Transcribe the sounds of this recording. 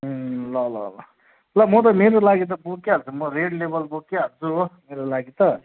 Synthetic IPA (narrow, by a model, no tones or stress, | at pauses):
ɦlʌlʌ̰lʌ̰ | lʌmʌt̪̬ʌmeɾolaɡit̪̬ʌbokaɦʌt͡sʰumʌɾeɽlebʌlbokaɦʌt͡sumeɾolaɡit̪ʌ